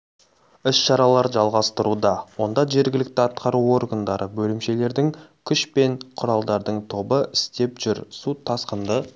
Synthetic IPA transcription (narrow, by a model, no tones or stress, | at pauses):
ɪsʃɑɾɑlˠɑɾʒɑlˠʁɑst̪əɾud̪ɑwo̞nd̪ɑʒe̞ɾɡʲɪlɪk̚t̪ɪɑt̪qɑɾuo̞rɡənd̪ɑɾʔəbɵlɪmʃe̞le̞ɾd̪ɪŋkʲʰʏʃpe̞ɴqʰʊɾɑlˠd̪ɑɾd̪əɴt̪ʰo̞bəʔɪst̪e̞pʒ̥ʏɾsut̪ʰɑsqənd̪ə